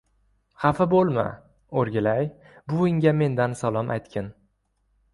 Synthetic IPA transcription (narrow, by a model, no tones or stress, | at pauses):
hafɪbolˠma̰ | oɾɡʲɪlaj | bʊɪŋɡʲame̞nd̪ansalˠɒmʔa̰jt̪kʲʰɪn